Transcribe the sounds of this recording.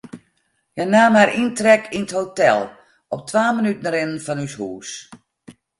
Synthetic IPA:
janaːmaɾʔintrɛkʰinəthotɛlˠ | ɔp̚tʰʋaːmənytn̩ɾɪnənfɔnyshuːs

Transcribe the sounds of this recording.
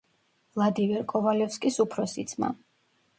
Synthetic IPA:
vlˠad̪imɛɾkʼɔvalɛfskʼisupʰɾɔsid̪sʰma̰

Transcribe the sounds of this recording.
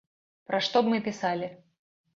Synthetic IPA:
pɾɐʂt̪ɔbmɨpʲɪsalʲɪ

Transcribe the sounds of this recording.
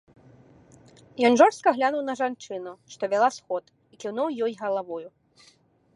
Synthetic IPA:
jɔnʐɔrst̪̚kɐɣlʲanuwnɐʐant͡ʂɨnuʂt̪ɔvʲalˠasxɔt̪ | ikʲiwnuwjɔjɣɐlˠavɔju

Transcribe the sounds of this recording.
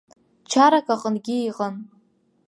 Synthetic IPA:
t͡ʃʰaɾakʼaqʼənɡʲɪiqʼən

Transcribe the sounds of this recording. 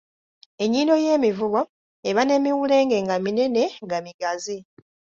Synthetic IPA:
e̞ɲːiːndo̞jeːmivuβwa | eβane̞miwule̞ːŋɡe̞ŋɡamine̞ne̞ŋɡamiɡazi

